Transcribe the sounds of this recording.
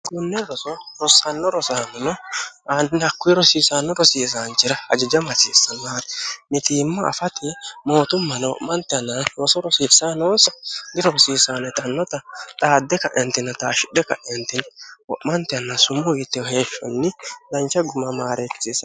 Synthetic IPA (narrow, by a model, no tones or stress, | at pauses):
ɡʊnːɛɾɔsɔɾɔsːɐnːɔɾɔsaːnɔnɔ | annɐkːʊɪɾɔsiːsanːɔɾɔsiːsaːnt͡ʃːɪɾɐɐd͡ʒɛd͡ʒɐmɐsisːɐnːaːɾɛnɪt̪iːmːɐ̰ːfɐt̪ɪmoːt̪ʊmːɐnwɔ̰ʔmːɐnt̪ɪɐnːɐɾɔsɔɾɔsiːsanoːnsɐɡɪɾɔɾɔsiːsaːnɛt̪ʼɐnːɔt̪ɐt̪ʼaːd̪ːɛkɐʔɪjɐnt̪ɪnɐt̪aːʃɪɗɛkɐ̰ʔɪɐnt̪ɪnwɔ̰ʔmɐnt̪ɪɐnːasʊmːɔɡɪt̪ːɛɔheːʃːɔ̰nːɪlɐnt͡ʃɐɡʊmɐmaːɾɛt͡sːiːsɐ